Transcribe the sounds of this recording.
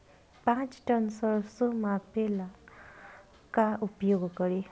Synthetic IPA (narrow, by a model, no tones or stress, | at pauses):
pãt͡sʈʌnsəɭsomapela | kaʔupjoɡkəɾe